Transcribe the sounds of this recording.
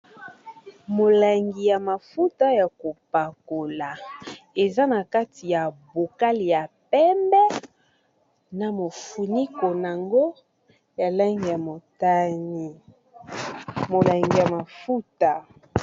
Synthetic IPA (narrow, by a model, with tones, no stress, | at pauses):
mo˨la˨ŋɡi˨ja˨ma˨fu˦ta˦ja˨ko˨pa˨ko˨la˨e˨za˦na˨ka˦ti˨ja˨bo˨ka˦li˨ja˨pɛ˦mbɛ˦ | na˨mo˨fu˨ni˦ko˨na˨ŋɡo˦ | ja˨la˦ŋɡi˨ja˨mo˨ta˦ni˨ | mo˨la˨ŋɡi˨ja˨ma˨fu˦ta˨